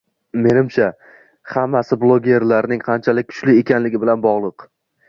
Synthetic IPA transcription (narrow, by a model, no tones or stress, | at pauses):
me̞nɪmt͡ʃʰa | hamːasɪblˠoɡʲe̞ɾlaɾnɪŋqʰɑnt͡ʃʰalɪk̚ʲkʰʊ̥t͡ʃlɪe̞kʲʰanlɪɡʲɪbɪlanbɒʁlˠɨq